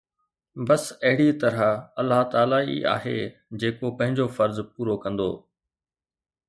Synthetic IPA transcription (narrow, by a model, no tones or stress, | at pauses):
bɐsɐɦɪɽit̪ɐɾaɐlːaɦt̪aːlaḭʔa̰ːɦḛː | d͡ʑeːkopɐ̃ɦɪ̃ɲd͡ʑofɐɾzpuːɾokɐ̃nd̪o̰ː